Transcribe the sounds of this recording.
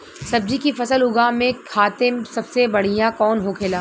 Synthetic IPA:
sɐb̚d͡ʒikifɐsəlʊɡaːmẽkʰaːt̪ɪmsɐbsebɐɽ̤ijãkɔːnɦokʰeːlaː

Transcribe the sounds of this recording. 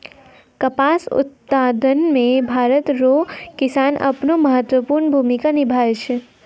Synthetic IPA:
kəpaːsʊ̰t̪̚paːd̪ʱənmẽbʱaːɾət̪ɾokɪsaːnʔə̰pnoməɦət̪wəpuɾnbʱumikanɪbʱat͡ʃʰe

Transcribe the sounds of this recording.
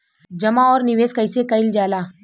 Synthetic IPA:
d͡ʒɐmaɔːɾnɪʋeːskɐɪsekɐɪld͡ʒaːlaː

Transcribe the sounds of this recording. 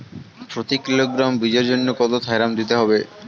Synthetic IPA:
pɾot̪ikiloɡɾambid͡ʑeɾd͡ʑonːokɔd̪ot̪ʰɦajɾamd̪it̪eɦɔbe

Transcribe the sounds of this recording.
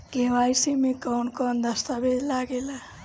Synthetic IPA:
ɡewajsimekawnkɔnd̪əst̪abed͡ʒ̪laɡela

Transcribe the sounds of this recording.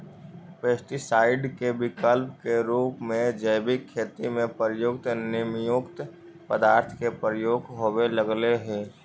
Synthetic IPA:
peːsʈisaːɪɖkebɪkəlpkeɾuːpmẽd͡ʒəɪbɪkʰːeːt̪imẽpəɾjʊk̚t̪nɪmjʊkt̪ | pəd̪aːɾt̪ʰkepɾəjoːɡɦoweləɡleɦẽː

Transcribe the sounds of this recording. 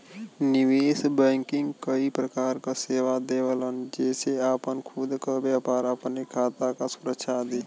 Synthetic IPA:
nɪʋeːsbɛ̃ːŋkɪŋɡkəipɾəkaːɾkaseːʋad̪eːʋələnd͡ʒɛːseaːpənkʰud̪kəbaːpaːɾəpnekʰaːt̪akasʊɾəkʃʰad̪eː

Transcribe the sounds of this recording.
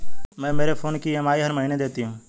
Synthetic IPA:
mɛ̃ːmeːɾefʰoːnkiːemaːiɦəɾməɦiːned̪eːt̪iɦũː

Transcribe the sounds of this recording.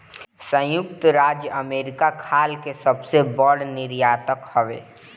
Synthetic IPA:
sə̃jʊkt̪ɾaːd͡ʒjəəmeːɾɪkakʰaːlkesɐbsebəɽnɪɾjaːt̪əkhəʋḛː

